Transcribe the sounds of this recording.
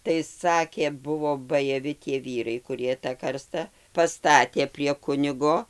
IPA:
tɐɪ ˈsɑːkʲeː ˈbʊʋoː bɐjɛˈʋʲɪ tʲiɛ ˈʋʲiːrɐɪ kʊˈrʲiɛ tɐ ˈkɐrstɐ pɐˈstɑːtʲeː pʲrʲiɛ ˈkʊnʲɪɡoː

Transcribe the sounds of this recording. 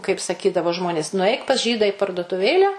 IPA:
kɐɪp sɐˈkʲiːdɐʋoː ˈʒmoːnʲeːs nʊˈɐɪk pɐs ˈʒʲiːdɐ iː pɐrduɔtʊˈʋʲeːlʲæː

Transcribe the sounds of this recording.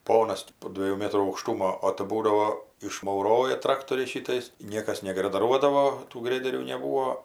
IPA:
ˈpoːnɐs tʲɪ poː ˈdʲʋʲiɛjuː ˈmʲeːtruː ɐʊkˈʃtʊmoː oː tɜ ˈbuːdɐʋoː ɪʃmɐʊˈroːjɛ ˈtrɑːktoːrʲɛɪs ˈʃʲiːtɐɪs ˈnʲiɛkɐs nʲɛɡrɐdɐˈruɔdɐʋoː tuː ˈɡrʲæːdʲɛrʲuː nʲɛˈbuːoː

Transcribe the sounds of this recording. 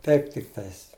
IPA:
ˈtɐɪp tʲɪkˈtɐɪs

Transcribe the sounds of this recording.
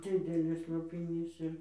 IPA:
ˈd͡zʲɪdʲɛlʲɪs lˠoːpʲɪˈnʲiːs ɪr

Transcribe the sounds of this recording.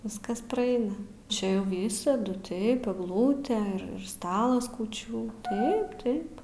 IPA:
ˈʋʲɪskɐs prɐˈɐɪnɐ ˈt͡ʃʲɛ jɛʊ ˈʋʲiːsɐdʊ ˈtɐɪp ɛɡˈlˠuːtʲeː ɪr ɪr ˈstɑːlˠɐs kuːˈt͡ʃʲuː ˈtɐɪp ˈtɐɪp

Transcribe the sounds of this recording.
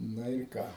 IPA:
ˈnɐ ɪr ˈkɐ

